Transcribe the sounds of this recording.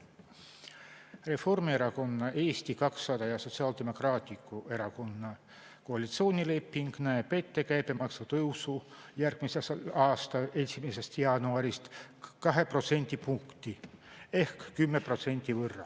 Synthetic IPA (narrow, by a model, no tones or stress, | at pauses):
re̞fo̞rmie̞ɾɑko̞nːɑʔe̞ːst̪ikɑksːɑd̪̥ɑjɑso̞t̪siɑːld̪e̞mo̞krɑːt̪ʲːˑikːˑue̞ɾɑko̞nːɑ | koɑlʲit̪sio̞ːnʲile̞pːiŋɡ̥næepe̞t̪ːe̞kæjb̥jɑmɑksɑt̪ɤwsujærɡ̥miseselɑːst̪ɑe̞simese̞st̪jɑːnuɑɾist̪ | kɑɦe̞pro̞t̪se̞nʲd̪̥ʲipuŋkt̪ie̞hkːymːe̞pro̞t̪se̞nʲt̪ivɤrːɑ̰